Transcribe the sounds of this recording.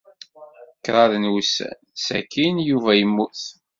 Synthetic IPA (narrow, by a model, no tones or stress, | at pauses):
kːɾˤɑðənwusæ̰ | sæ̰kːinjuvæjəmːuθ